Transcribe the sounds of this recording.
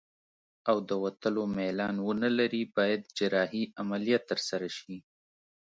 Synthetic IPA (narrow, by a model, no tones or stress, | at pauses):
awd̪əwat̪əlomalɑnwənəlaɾibɑjad̪d͡ʒɪɾɑhiamalijat̪ːəɾsaɾaʃi